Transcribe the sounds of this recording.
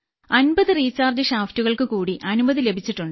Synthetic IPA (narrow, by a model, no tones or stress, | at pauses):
ɐnbɐðɨriːt͡ɕaːrd͡ʑɨɕaːftuɣɐɭkɨkuːɽiʔɐnubɐðɨle̞bʱit͡ɕːiʈːuɳɖɨ